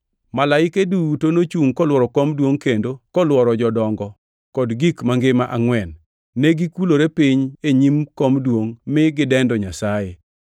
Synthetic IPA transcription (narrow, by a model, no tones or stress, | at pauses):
malaɪkedutonot͡ʃuŋkɔlwɔɾɔkɔmdwoŋkendokɔlwɔɾɔd͡ʒɔdɔŋɡɔ | kɔdɡikmaŋɡɪmaʔaŋwɛnː | eɡikuloɾepiɲeɲimkɔmdwoŋmɪɡɪdɛndɔɲasaje